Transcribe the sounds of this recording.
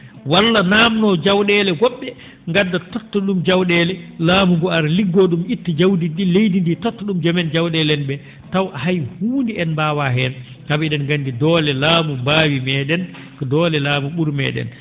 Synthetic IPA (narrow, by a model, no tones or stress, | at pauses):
walːanaːmnɔd͡ʒawɗɛlɛɡɔɓːɛ | ŋɡadːatɔtːɔɗumd͡ʒawɗɛlɛlaːmuŋɡɔaɾliɡːɔɗumitːid͡ʒawdiɗilejdinditɔtːɔɗumd͡ʒamɛnd͡ʒawɗɛlɛnbɛ | tawʔahajhuːndiɛnbaːwaɦɛn | kabiɗɛnɡandidɔlɛlaːmumbaːwimɛːɗɛn | kɔdɔːlɛlaːmuɓuɾmɛ̰ːɗɛ̰n